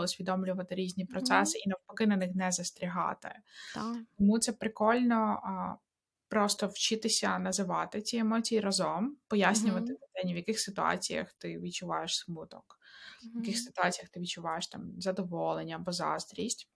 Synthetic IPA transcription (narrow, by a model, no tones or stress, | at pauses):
ɔʊsʲʋʲid̪ɔmlʲʊʋɐt̪ɪɾʲizʲnʲipɾɔt̪sɛsɪinɐwpɔkɪnɐnɪxnɛzɐst̪ɾʲiɦɑ̰t̪ɪ̰ | t̪ɔmut̪sɛpɾɪkɔlʲnɔ | pɾɔst̪ɔwt͡ʃɪt̪ɪsʲɐnɐzɪʋɑt̪ɪt͡sʲiemɔt͡sʲijiɾɐzɔmpɔjasʲnʲʊʋɐt̪ɪt̪ɐt̪ɛnʲiwjɐkɪxsɪt̪ʊɑ̰t͡sʲijɐ̰xt̪ɪʋʲidt͡ʃʊʋa̰jeʃsmut̪ɔkjɐkɪxsɪ̥t̪ʊɑt͡sʲijɐxt̪ɪʋʲid̚t͡ʃʊʋɑjeʃt̪ɑmzɐd̪ɔʋɔlˠenʲːɐɐbɔzɑ̰st̪ɾʲisʲtʲ